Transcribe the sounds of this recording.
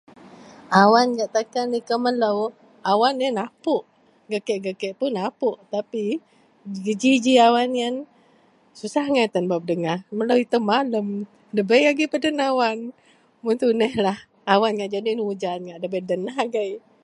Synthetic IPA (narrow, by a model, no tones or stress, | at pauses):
awanɡaʔt̪akanikəmələw | awanənapʊʔ | ɡəkɛʔɡəkɛʔpunapʊʔt̪api | ɡəd͡ʒid͡ʒiawanian | susahŋat̪anbap̚dəŋamələwit̪əmaləm | dəbəjaɡipədənawan | munt̪unəhlah | awanŋaʔd͡ʒadinud͡ʒanŋaʔdəbədənaɦaɡaj